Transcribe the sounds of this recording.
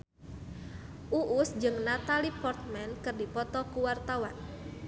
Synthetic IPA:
ʔuʔusd͡ʒɨŋnat̪alipɔrt̪̚mɛnkərdipɔt̪ɔkuwart̪awan

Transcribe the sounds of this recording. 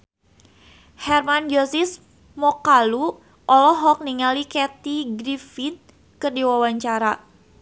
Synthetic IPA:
hɛrmand͡ʒosis | mɔkalu | ʔɔlɔɦɔk̚niŋalikɛt̪iɡɾifin | kɨrdiwawaɲt͡ʃaɾa

